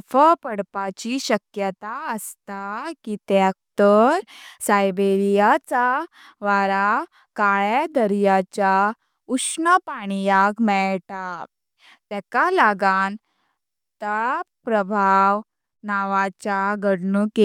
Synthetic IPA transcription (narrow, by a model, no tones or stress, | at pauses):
fəpəɽpat͡ɕiɕəkjət̪aəst̪akit̪ek̚t̪əɾsajbeɾijat͡sa | ʋaɾa | kaɭad̪əɾijat͡ɕa | uʂɳəpaɽ̃ijakmɛɭʈa | t̪ɛkalaɡan | t̪əɭapɾəbʱaʋ | naʋat͡ɕaɡəɽɳuke